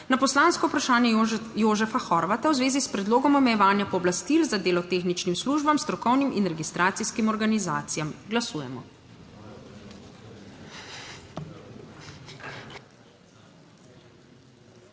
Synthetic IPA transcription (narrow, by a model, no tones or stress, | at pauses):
napɔslaːnskɔupɾaʃaːnjɛjoːʒɛfaxɔɾʋat̪awzʋeːzispɾɛd̪loːɡɔmɔmɛjɛʋaːnjapɔːblast̪ilzad̪eːlɔt̪eːxnit͡ʃnimsluːʒbamst̪ɾɔkɔwniminɾɛɡist̪ɾaːt̪siskimɔɾɡanizaːt̪sijamɡlasuːjɛmɔ